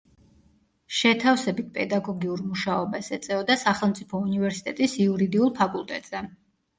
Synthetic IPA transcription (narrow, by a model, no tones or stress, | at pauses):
ʃɛt̪ʰafsɛbit̪̚pʼɛd̪aɡɔɡiuɾmuʃaɔbasɛt̪sʼɛɔd̪asaχɛlˠmt̪sʼipʰɔunivɛɾsi̥t̪ʼɛt̪ʼisiuɾid̪iulˠpʰakʼulˠt̪ʼɛ̰t̪ʼz̥ɛ